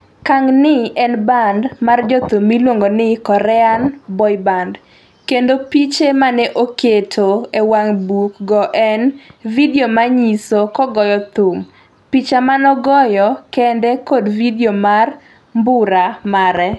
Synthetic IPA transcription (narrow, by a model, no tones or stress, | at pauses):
kaŋnɪɛnbandmard͡ʒɔt̪umːilwoŋɡonɪkɔɾɛanbɔjband | kendopit͡ʃemanɛʔoketʰoewaŋbukɡɔʔɛnvidiomaɲisokɔɡɔjɔt̪um | pit͡ʃamanɔɡɔjɔkɛndɛkodvidiomar | mbʊɾamaɾɛ